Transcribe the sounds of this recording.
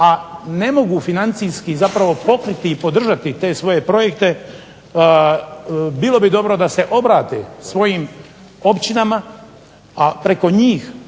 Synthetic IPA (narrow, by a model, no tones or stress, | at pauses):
ane̞mo̞ɡufinant̪sijskizapɾaʋo̞po̞kɾit̪iːpo̞d̪r̩ʒat̪it̪e̞ːsʋo̞je̞pɾo̞je̞kt̪e̞ | bilˠo̞bid̪o̞bɾo̞d̪ase̞ʔo̞bɾaːt̪ḛsʋo̞jiːm | o̞pt͡ɕinama | apɾe̞ko̞ɲiːx